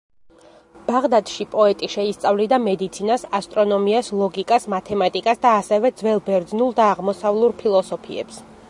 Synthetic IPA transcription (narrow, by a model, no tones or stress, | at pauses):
b̥aʁd̪ad̪ʃipʼɔɛt̪ʼiʃɛist̪sʼavlid̪amɛd̪it̪sʰinasast̪ʼɾɔnɔmiaslˠɔɡikʼasmat̪ʰɛmat̪ʼikʼasd̪aːsɛvɛd̪zwɛlˠbɛɾd̪znulˠd̪aːʁmɔsavlˠuɾpʰilˠɔsɔpʰḭɛ̰ps